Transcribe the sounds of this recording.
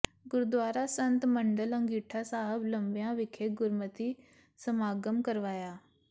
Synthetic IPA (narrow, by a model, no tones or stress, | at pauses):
ɡʊɾd̪ʋaːɾasɐ̃nt̪mɐ̃ɳɖəlɐ̃ŋɡiːʈʰasaːɦəblɐ̃mbjãʋɪkʰeɡʊɾmət̪i | sɐmaːɡəmkɐɾʋaːjaː